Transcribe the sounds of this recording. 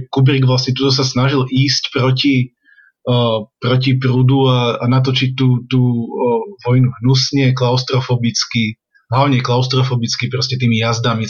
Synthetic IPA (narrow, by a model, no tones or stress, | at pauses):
kubɾiɡʋlasɲɛt̪ut̪ɔs̬asnaʒilʔiːscpɾɔci | pɾɔcipɾuːd̪uaanat̪ɔt͡ʃit̚t̪ːuːt̪uːʋɔjnuɦnusɲɛklaʊst̪ɾɔfɔbit͡ski | ɦlaʊɲɛklaʊst̪ɾɔfɔbit͡skipɾɔscɛt̪iːmijazd̪ami